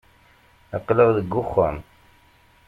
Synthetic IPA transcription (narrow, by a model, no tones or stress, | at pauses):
əqːləʁðəɡːʊχːə̰m